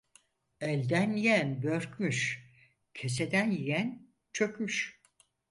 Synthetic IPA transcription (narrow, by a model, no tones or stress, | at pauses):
ɛlʲd̪ænijænbøɾcmyʃ | cʰe̞s̬ed̪ænjijæn | t͡ʃʰøkʲmyʃ